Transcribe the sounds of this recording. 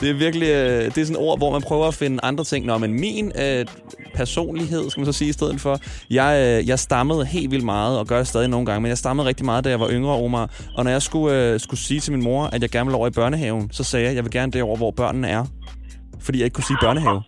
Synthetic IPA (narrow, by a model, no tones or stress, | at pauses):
d̥e̝æɐʋiɐɡ̥əliød̥e̝æɐsɔ̽nʔo̝ɐ̰ʋɒmænpʰʁœːʊɐæfe̝nəʔɑ̈nd̥ʁɐt͡sʰe̝ŋ̰nɒmenminø | pʰæɐso̝̰ːnliɦe̝ð̞̰ˠskæmæns̬ɒ̽siːisd̥eð̞̰ˠð̩ˠfɒ̽jɑ̈ɪjɑ̈ɪsd̥ɑ̈məð̞̩ˠhe̝̰ːldʋil̰d̥mɑ̈ːð̞̩ˠɒ̽ɡ̥ɶɐɾesd̥ɛːðˠino̝ːn̩ɡɑ̈ŋəmenjɪsd̥ɑ̈məð̩ˠʁɛɡ̥̚d̥imɑ̈ːðˠd̥æjɑ̈ɪʋɑ̈ʔøŋʁɐɒɐmɑ̈ɪ | ʔɒ̽nɒjɑ̈ɪsɡ̥uøsɡ̥usiːt͡sʰe̝minmo̝ɐʔæd̥jɑ̈ɪɡ̥æɐnʋelɒʊ̰ɐib̥ɶɐnəɦɛʊn̩sɒ̽sɛːjɑ̈ɪjɑʋe̝lɡ̥æɐnəd̥e̝ɒʊ̰ɐʋɒb̥ɶɐ̰nn̩æɐ | fɒ̽dḭːjɑ̈eɡ̥kʰusiːb̥ɶɐnəɦɛʊ